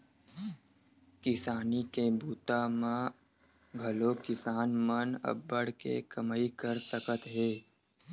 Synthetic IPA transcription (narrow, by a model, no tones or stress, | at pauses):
kɪsaːnikebʱuːt̪amã | ɡʱɐlokɪsaːnmənɐ̰bːəɽ̤kḛkəmaːikəɾsəkət̪ɦeː